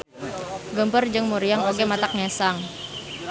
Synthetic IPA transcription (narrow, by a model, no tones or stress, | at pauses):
ɡəmpərd͡ʒəŋmuɾiaŋoɡemat̪ak̚ɲɛsaŋ